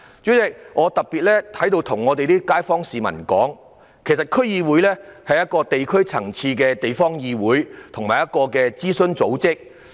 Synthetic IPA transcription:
jy˨˥t͡sɛ˨˥˩ŋʔɔː˨˧t̪ɐ˨k̚piː˨t̚lɛː˥t̪ʰɐ˨˥jt̪o˧wt̪ʰʊ˨˩ŋɔː˨˧t̪e˨jt̪iː˥kaː˥jfɔː˥ŋsiː˨mɐ̰˨˩nkɔ̰ː˨˥ŋ | kʰe˨˩jsɐ˨t̚kʰɵ˥ɥjiː˧wu˨˥jlɛː˥hɐ˨jɐ˥t̚kɔː˧t̪e˨jkʰɵ˥ɥt͡sʰɐ̰˨˩ŋt͡sʰiː˧kɛː˧t̪e˨jfɔː˥ŋjiː˧wuː˨˥jt̪ʰʊ˨˩ŋmaː˨jɐ˥t̚kɔː˧kɛː˧t͡siː˥sɵ˧nt͡so˨˥wt͡sɪ˥k̚

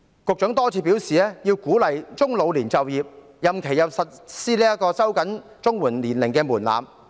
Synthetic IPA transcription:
kʊ˨k̚t͡ʃœ˨˥ŋt̪ɔː˥t͡sʰiː˧˥pi˨˥wsiː˨˧ɛː˥ji˧wkuː˨˥lɐ˨jt͡sʊ˥ŋlo˨˧wliː˨˩nt͡sɐ˨wjiː˨p̚ | jɐ˨mkʰe˨˩jɐ˨˩wsɐ˨t̚siː˥liː˥jɐ˥kːɔː˧sɐ˥wkɐ˨˥n | t͡sʊ˥ŋwuː˨˩nliː˨˩nlɪ˨˩ŋkɛː˧muː˨˩nla̰ː˨m

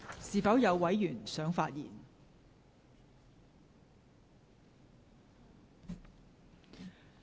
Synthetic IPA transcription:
siː˨˩fɐ˨˥wjɐ˨˧wwɐ˨˥jːyː˨˩nsœː˨˥ŋfaː˧t̚jḭː˨˩n

